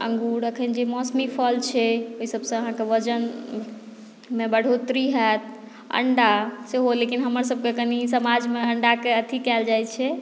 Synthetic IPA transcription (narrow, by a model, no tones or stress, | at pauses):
ə̰̃ŋɡuɾəkʰənd͡ʒemɔsmipʰəlt͡ʃʰɛoɦisəbsə̃əɦãkeʋəd͡ʒən | mebəɽ̤ʱot̪ɾiɦɛt̪ | ə̰ɳɖaseɦolekinɦəməɾsəb̚ʱkekənisəmad͡ʒmeəɳɖakeət̪ʰikɛld͡ʒajt͡ʃʰɛ